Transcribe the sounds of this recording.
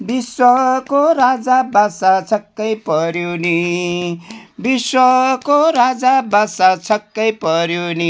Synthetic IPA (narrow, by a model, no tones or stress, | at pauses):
biswʌkoɾad͡zabasat͡sʰʌkːʌjpʌɾjoni | biswʌkoɾad͡zabasat͡sʰʌkːʌjpʌɾjoni